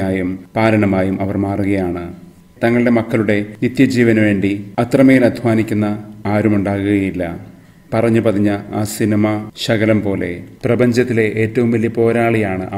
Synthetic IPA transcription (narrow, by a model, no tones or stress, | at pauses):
aːjumpaːɾɐɳɐmaːjumʔɐʋɐrmaːruɣɐjaːɳɨ | t̪ɐŋːɐɭiɽe̞mɐkːɐɭuɽe̞nit̪jɐd͡ʑiːʋɐnʋe̞ːɳɖiɐt̪rɐmɐjilɐd̪ʱʋaːnikʲːunːɐaːɾumuɳɖaːɣuɣɐjilːɐ̰ | pɐrɐɲːupɐðiɲːɐaːsinimɐɕɐɣɐlɐmpo̞ːle̞̰prɐbɐɲd͡ʑɐt̪ːile̞ʔeːtːɐʋumʋɐljɐpo̞ːɾaːɭijaːɳɨ̰ʔɐ